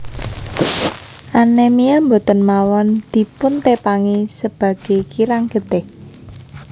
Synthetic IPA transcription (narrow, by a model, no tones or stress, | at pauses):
ʔanemiambot̪ɔnmawɔnd̪̥i̤pʊnt̪epaŋisəb̥ä̤ɡ̥ekiɾaŋɡ̥ə̤d̪̥ɛh